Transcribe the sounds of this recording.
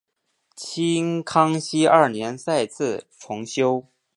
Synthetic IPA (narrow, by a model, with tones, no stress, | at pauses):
t͡ɕʰi˥ŋkʰɑ˥ŋɕi˥ɐ˞˥˩njɛ˧˥nsa˥˧ɪt͡sʰɹ̩˥˩ʈ͡ʂʰʊ˧˥ŋɕjo˥ʊ